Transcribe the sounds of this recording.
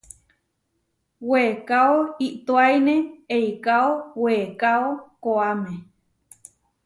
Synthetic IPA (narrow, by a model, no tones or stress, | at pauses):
wekaoiʔt̪oajnẽejkaoweːkaokoamẽ